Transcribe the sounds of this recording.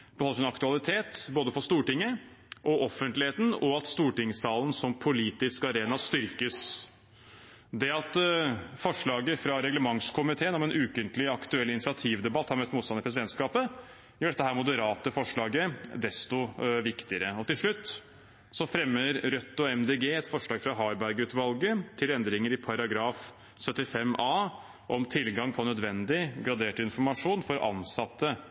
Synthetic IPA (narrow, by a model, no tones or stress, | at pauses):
b̥əhɔlːəʂɪnɑkt̪ʉɑlɪt̪ʰeːt̪boːd̪əfɔst̪uːʈɪŋːə | ʔɔʔɔfːənt̪lɪheːt̪n̩ɔɑt̪st̪uːʈɪŋsɑːlən̩sɔmpʰʊliːt̪ɪskɑɾeːnɑst̪ʏɾkəs | d̪ɛɑt̪fɔʂɭɑːɡəfɾɑɾɛɡləmɑŋskʰʊmɪt̪ʰeːənɔmɛnʔʉːkənt̪lɪɑkt̪ʉɛlːɪnɪsɪɑt̪ʰiːʋd̪ɛbɑt̪ːhɑɾmɛt̪ːmuːt̪st̪ɑnɪpɾsɪd̪ɛnt̪skɑːpə | jœːɖɛt̪ːəɦæːɾmʊd̪əɾɑːt̪əfɔʂɭɑːɡəd̪ɛst̪ʊʋɪkt̪ɪəɾəɔt̪ɪlʂɭʉt̪ː | sɔfɾɛmːəɾɾœt̪ːɔɛmd̪eːɡeːɛt̪fɔʂɭɑːɡfɾɑɦɑːɾbæɾɡʉːt̪ʋɑlɡət̪ʰɪlɛnd̪ɾɪŋəɾɪpʰɑɾɑɡɾɑːf | sœt̪ːɪfɛmːɑː | ʔɔmt̪ʰɪlɡɑŋpʰɔnœd̪ʋɛnd̪ɪɡɾɑd̪eːʈɪnfɔɾmɑʂuːnfɔɾʔɑ̰nsɑt̪ːə